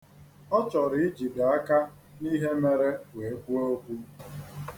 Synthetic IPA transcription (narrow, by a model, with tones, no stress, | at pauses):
ɔ˦t͡ʃɔ˨ɾɪ˨ɪ˦d͡ʒi˨da˨a˦ka˦ | ni˦ɦe˦me˨ɾe˦we˨e˦ɡu˦o˦o˦kʷu˦